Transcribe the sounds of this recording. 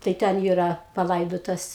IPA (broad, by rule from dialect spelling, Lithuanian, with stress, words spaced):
tɐɪ ˈtʲɛn ˈiːrɐ pɐˈlˠɐɪdoːtɐs